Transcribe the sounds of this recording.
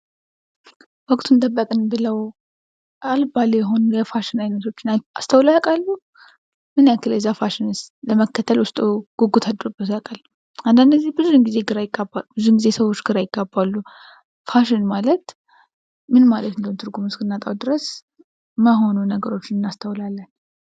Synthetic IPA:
wɔkʼt̪ʰunt̪ʼəbːəkʼɨnbɨləw | ʔalbaljɛɦo̞nujɛfaʃɪnajnət̪ʰo̞t͡ʃːɪnast̪ʰəwlaakʼalːu | mɨnjakʰːɨlɛzːafaʃɪnɨsləməkːət̪ʰːəlwʊst̪ʼoɡ̥uɡut̪ʰad̪ɨɾubːət̪ʰakʼal | ʔand̪and̪zːihbɨzuɨŋɡizeɡɨɾajɪɡːabːalubɨzuɨnɡizesəwo̞t͡ʃːɡɨɾajɪɡ̥ːabːalːu | faʃɪnmalət̪ | mɨnmalət̪ɨnd̪əunt̪ʰɨɾɡumɨskɨnːat̪ʼawd̪ɨɾəs | məɦo̞nunəɡəɾo̞t͡ʃːɪnɨnːast̪ʰəwlalːən

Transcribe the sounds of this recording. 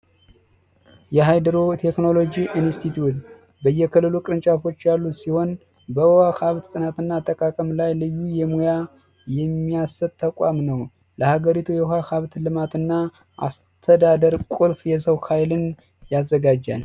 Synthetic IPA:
jɛɦajd̪əɾot̪ʰe̞kno̞lo̞d͡ʒiʔinst̪ʰit̪ʰjut̪ | bəjːɛkʰəlːɨlukʼɾɨnt͡ʃʼafo̞t͡ʃːjalːusiho̞n | bəhakaβt̪t̪ʼɨnat̪ɨnːat̪ʰəkʼakʼəmlajlɨjːujɛmoja | jɛmːijasːəbt̪ʰəkʼamnəw | ləhaɡəɾit̪ʰujɛhakaβt̪lɨmat̪ɨnːa | ʔa̰s | t̪ʰəd̪ad̪əɾkʼulfjɛs̬əwkʰajlɨn | jazːəɡad͡ʒːa̰n

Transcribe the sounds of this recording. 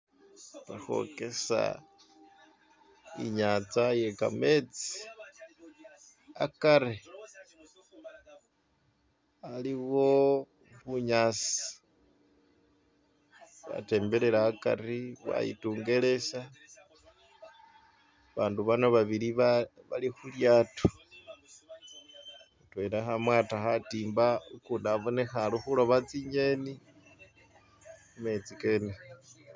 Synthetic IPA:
βaxo̞̰ke̞sa̰ | iɲaːt͡saje̞ka̰me̞t͡si̥ | akaɾe | aliɣwo̞ | βuɲaːsi̥ | βa̰te̞ːmbe̞le̞ɾaːka̰riβa̰jḭtuːŋɡe̞le̞sa | βaːnduβanoβaβiliβaβalixuljaːtou̥ | twelaxamwaːtaxatiːmbaukuːndaβonexaluxulo̞βat͡siɲeni | ume̞t͡sikene

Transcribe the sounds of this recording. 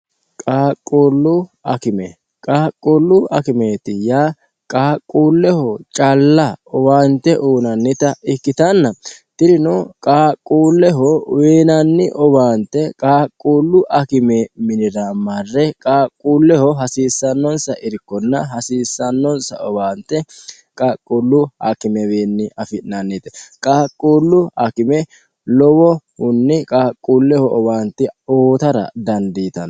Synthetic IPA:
kʼaːkʼːuːlːʊɐ̰kɪmɛ | kʼaːkʼːuːlːʊɐkɪmeːt̪ɪjaː | kʼaːkʼːuːlːɛhɔt͡ʃʼɐlːɐɔwaːnt̪ːɛʔuːnɐnːɪt̪ɐɪkːɪt̪ɐnːɐt̪ɪɾɪnɔkʼaːkʼːuːlːɛɦɔweːnɐnːɪ̰ʔɔbaːnt̪ːɛkʼaːkʼːuːlːʊʔɐkɪmeːmɪnɪɾaːmɐrːɛkʼaːkʼːuːlːɛhɔɦɐsiːsːɐnːɔnsɐʔɪɾɪkːɔnːɐɦɐsiːsːɐnːɔnsɐ̰ɔbaːnt̪ːɛ | kʼaːkʼːuːlːʊɐkɪmɛweːnːɪʔɐfɪnanːiːt̪ɛkʼaːkʼːuːlːʊɐkɪmɛ | lɔwɔhʊnːɪkʼaːkʼːuːlːɛhɔʔɔbaːnt̪ːɪoːt̪ɐɾɐ̰d̪ɐnd̪iːt̪ɐn

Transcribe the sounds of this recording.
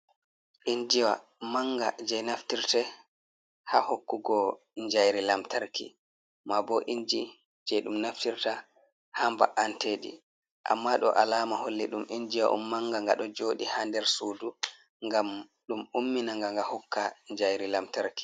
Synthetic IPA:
ʔind͡ʒiwa̰maŋɡa̰d͡ʒɛjnaftiɾtɛ | hahokːuɡɔ | ɲd͡ʒajɾilamtaɾkʰḭ | mabɔʔind͡ʒi | d͡ʒɛjɗumnaftiɾta | hambaʔanteːɗḭ | ʔa̰mːaɗɔ̰ʔalaːmaholːiɗumʔind͡ʒiwa̰ʔṵmːaŋɡaŋɡa̰ɗɔd͡ʒoːɗihandɛɾsuːdu | ŋɡam | ɗumumːinaŋɡaŋɡahɔkːaɲd͡ʒajɾilamtaɾki̥

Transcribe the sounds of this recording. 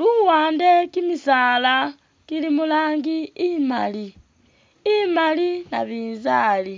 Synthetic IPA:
luwaːndekimisaːla | kilimulaːŋɡiːmali | imalina̰βiːnzaːli

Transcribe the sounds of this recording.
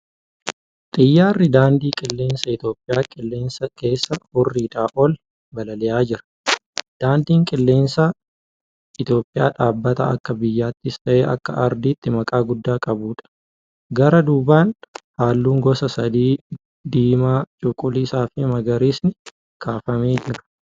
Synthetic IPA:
t̪ʼɪjːaːrːɪd̪aːnd̪iːkʼɪlːe̞ːnsɐɪt̪jo̞ːpʼːɪjaːkʼɪlːe̞ːnsːɐke̞ːsːɐhʊrːiːᶑaːʔɔl | bɐlɐlɛjaːd͡ʒɪɾɐ̥ | d̪̥aːnd̪iːŋkʼɪlːe̞ːnsa | ɪt̪jo̞ːpʼːɪja̰ːᶑaːbːɐt̪ɐ̰ɐ̰kːɐbɪjːaːt̪ːɪst̪ɐʔeːʔɐkːɐʔɐɾd̪iːt̪ːɪmɐkʼaːɡʊd̪ːaːkʼɐbuːᶑɐ̥ | ɡɐɾɐd̪uːbaːnhaːlːuːŋɡɔsɐsɐd̪iː | d̪iːmaːt͡ʃʼʊkʼːʊlisaːfɪmɐɡɐɾiːsnɪ | kʰaːfɐmeːd͡ʒɪɾɐ̥

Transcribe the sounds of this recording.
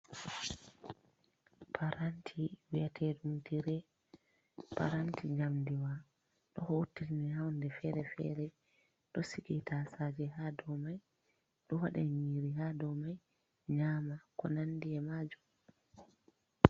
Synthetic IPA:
pʰaɾantʰiwijatʰɛɗumtiɾɛ | pa̰ɾantiɲamdiwa | ɗɔhotːiɾnihawndɛfɛɾɛfɛ̰ɾɛ | ɗɔsikitʰasaːd͡ʒɛhadɔmaj | ɗɔwaɗɛɲiːɾihadɔmaj | ɲaːmakɔnandiɛmaːd͡ʒum

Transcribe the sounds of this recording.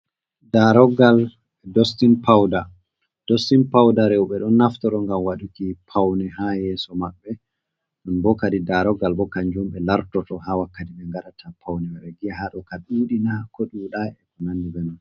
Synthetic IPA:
daɾɔɡal | ɛdɔstinpʰawda | d̥ostinpawdaɾewɓɛɗɔnːaftɔɗɔŋɡamwaɗukipʰawnɛɦajɛsɔmaɓːɛ | ɗɔnbɔkadidaɾɔɡalbɔkaɲd͡ʒumɓɛlaɾtɔtɔhawakːatiɓɛŋɡaɾatʰapʰawnɛwɛɓɛɡiahaɗɔkaɗuɗinakɔɗuɗaɛkɔnanːiɓɛnɔn

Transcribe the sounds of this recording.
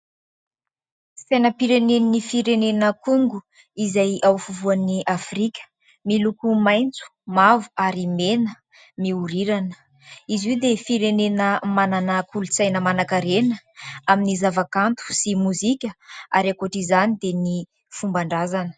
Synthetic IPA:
sajnəpiɾenenifiɾenenəkuŋɡu | izajawfuvuaniʔafrikʲə̥ | milukumajnt͡su̥mavu̥aɾimenə | miuɾiɾanə̥ | iziwd̪efiɾenenəmananakulut͡sajnəmanakaɾenəaminizavakant̪u̥simuzikʲəaɾakaʈ͡ʂizanid̪eni | fumbaɳɖ͡ʐazanə̥

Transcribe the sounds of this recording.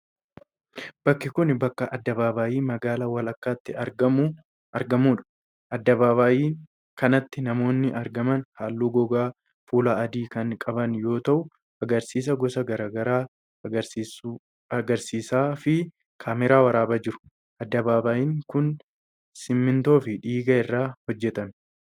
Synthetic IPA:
b̥ɐkːɪkʊnbɐkːɐʔɐd̪ːɐβaːbaːjiːmɐɡaːlɐwɐlɐkːaːt̪ːɪɐɾɡɐm | ɐɾɡɐmuːᶑɐ̥ | ʔɐd̪ːɐbaːbaːjiː | kɐnɐt̪ːɪnɐmo̞ːnːɪʔɐɾɡɐmɐnhaːlːuːɡɔɡaː | fuːlaɐd̪iːkɐnkʼɐbɐnjo̞ːt̪ɐʔʊ | ɐɡɐɾsiːs̬ɐɡɔsɐɡɐɾaːɡɐɾaː | ɐɡɐɾsiːsaːfɪ | kʰaːmɛɾaːwɐɾaːbɐd͡ʒɪɾʊ̥ | ʔɐd̪ːɐbaːbaːjiːŋkʊn | sɪmːɪnt̪o̞ːfɪᶑiːɡɐɪrːaːhɔd͡ʒːɛt̪ɐn

